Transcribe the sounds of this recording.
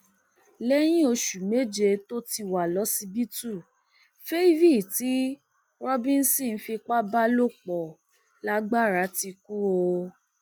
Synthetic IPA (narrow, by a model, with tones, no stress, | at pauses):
lɛ˦j̃ĩ˦o˧ʃu˨me˨˦d͡ʒe˧to˦ti˧˨wa˨lɔ˨˦si˧bi˦tu˦˨ | fe˦i˦vi˦˨ti˨˦ | ɾɔ˦bĩ˦n̩˦sĩ˦˨n̩˦fi˧k͡pa˦ba˦lo˦˨k͡pɔ˨ | la˦ɡ͡ba˦˨ɾa˨˦ti˧ku˦ɾo˧